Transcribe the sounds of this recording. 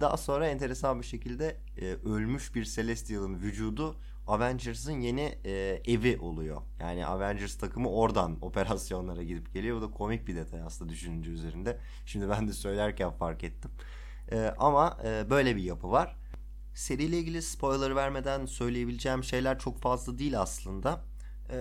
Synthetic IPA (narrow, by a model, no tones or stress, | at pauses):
d̪aɦaso̞nɾaɛnt̪ʰe̞ɾesanbiʃe̞cilʲd̪ɛː | ø̞lʲmyʃbiɾse̞lʲɛst̪ʰijalˠɯnvyd͡ʒuːd̪u | avænd͡ʒɯɾzɯnje̞nieviʔo̞̰lˠujo̞̰ja̰ːnḭʔa̰vænd͡ʒɛɾst̪ʰakʰɯmɯo̞ɾd̪ano̞̰pʰe̞ɾasjo̞nlˠaɾaɟid̪ip̚ɟ̥e̞lijo̞bud̪akʰo̞mic̚bid̪e̞t̪ʰajasɯnd̪ad̪yʃynynd̪yːyze̞ɾind̪ɛ | ʃimd̪ibænd̪ɛsø̞jlʲæɾcʰænfaɾkɛt̪ʰːim | ɛːʔamaɯːbø̞jlʲebijapʰɯvaɾ̥ | se̞ɾijlʲeiːɟilʲispʰo̞jlˠaɾɯvæɾme̞d̪ænsø̞jlʲeje̞bilʲid͡ʒɛːmʃe̞jlʲæɾt͡ʃʰo̞kfazlˠad̪iːlʲaslˠɯnd̪a